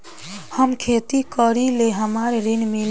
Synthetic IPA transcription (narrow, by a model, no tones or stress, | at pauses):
həmkʰet̪ikəɾileɦəmaɾɾinmin